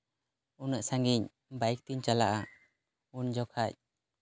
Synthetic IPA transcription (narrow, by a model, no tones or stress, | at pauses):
unəʔsaŋɡiɲ | bajk̚t̪iɲt͡ʃalaʔa | und͡ʒɔkʰac̚